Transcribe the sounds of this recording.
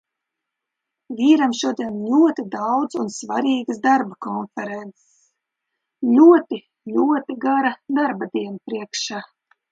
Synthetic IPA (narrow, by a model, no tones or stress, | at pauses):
vʲiːɾamʃuɔd̪ʲiɛnlʲuɔt̪id̪awd̪zunsvaɾiːɡɨsd̪aɾbakɔnfɛɾɛnt̪ss | lʲuɔt̪i | lʲuɔt̪iɡaɾad̪aɾbad̪iɛnapɾiɛkʃaː